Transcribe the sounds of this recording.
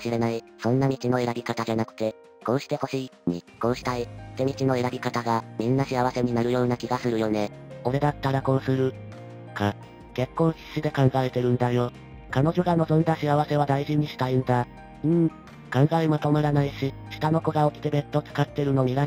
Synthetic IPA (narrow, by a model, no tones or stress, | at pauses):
ɕiɾe̞naisõ̞nːamʲit͡ɕino̞eɾabʲikat̪ad͡ʑanakɯ̟̥t̪e̞ | ko̞ːɕi̥t̪e̞ho̞ɕiː | ɲ̟ḭko̞ːɕi̥t̪ait̪e̞mʲit͡ɕino̞eɾabʲikat̪aɡamʲĩnːaɕiaβase̞ɲ̟inaɾɯ̟jo̞ːnakʲiɡasɨɾɯ̟jo̞ne̞ | o̞ɾe̞d̪at̪ːaɾako̞sɨɾɯ̟ | ka | ke̞kːõ̞ɰ̃ɕi̥ɕid̪e̞kãŋɡaet̪e̞ɾɯ̟̃nd̪ajo̞ | kano̞ʑo̞ɡano̞zõ̞nd̪aɕiaβase̞β̞ad̪aiʑiɲ̟iɕi̥t̪aĩnd̪a | ɯ̟̃ɴ | kãŋɡaimot̪o̞maɾanaiɕiɕi̥t̪ano̞ko̞ɡao̞kʲi̥t̪e̞be̞t̪ːo̞t͡sɨ̥kat̪ːe̞ɾɯ̟no̞ɲ̟ʲiɡa